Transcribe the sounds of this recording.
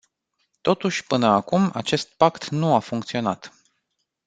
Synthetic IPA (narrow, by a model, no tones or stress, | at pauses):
t̪o̞t̪uʃʲpɨnəakuma̰t͡ʃe̞st̪̚pakt̪nuafuŋkt̪sio̞nat̪